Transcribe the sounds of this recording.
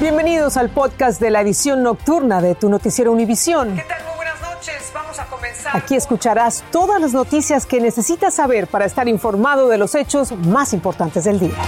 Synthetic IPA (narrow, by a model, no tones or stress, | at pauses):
bje̞mbe̞niðo̞salpo̞ðkast̪d̪e̞laeðisjo̞nːo̞k̚t̪uɾnaðe̞t̪uno̞t̪isje̞ɾouniβisjo̞net̪almujβwenaznot͡ʃezbamosakomensaakie̞skut͡ʃaɾast̪o̞ðazlazno̞t̪isjaske̞ne̞se̞sit̪asːaβe̞ɾpaɾaest̪aɾiɱfo̞ɾmað̞o̞ðe̞lo̞se̞t͡ʃo̞zmasimpo̞ɾt̪ant̪e̞zðe̞ld̪ia